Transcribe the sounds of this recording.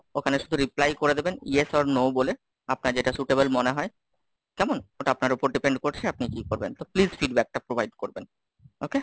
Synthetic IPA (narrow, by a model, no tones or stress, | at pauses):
okʰaneʃud̪ʱuɾiplajkoɾed̪ebenjesɔɾnobole | apnaɾd͡ʑeʈasuʈebolmoneɦɔe | kɛmonoʈaapnaɾopoɾɖipeɳɖkoɾt͡ɕʰeap̚nikikoɾbent̪oplizfiɖbɛk̚ʈapɾobajɖkoɾben | oke